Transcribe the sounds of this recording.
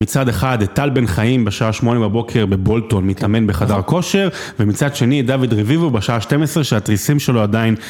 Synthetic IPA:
it͡sade̞χad̪et̪albe̞nχaimbeʃaaʃmo̞nebabo̞kʰe̞ʁbe̞bo̞lto̞nmit̪ame̞nbeχadaʁko̞ʃe̞ʁ | vemit͡sad̪ʃe̞nid̪avid̪ʁevivubeʃaaʃte̞mesʁeʃeat̪ʁisimʃe̞loadain

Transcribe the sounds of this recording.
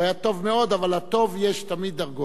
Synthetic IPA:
ajat̪o̞vmeo̞d̪avalat̪o̞vjeʃt̪amid̪̚ːaʁɡo

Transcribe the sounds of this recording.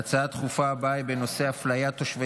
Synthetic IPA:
t͡saat̪χufabaibeno̞se̞aflajat̪oʃve

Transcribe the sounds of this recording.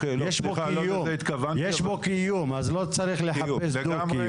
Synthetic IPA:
jjeʃbokiuit̪kavajeʃbokijumazlot͡saɾiχleħaesld̪uki

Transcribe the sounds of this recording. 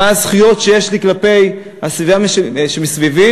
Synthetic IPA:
azχujo̞t̪ʃejeʃliklape̞j | hasvivamʃʃemisvivi

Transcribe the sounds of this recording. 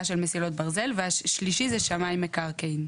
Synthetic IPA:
ʃelmesilot̪̚baʁze̞lveaʃliʃizɛʃamajmːekaʁkejn

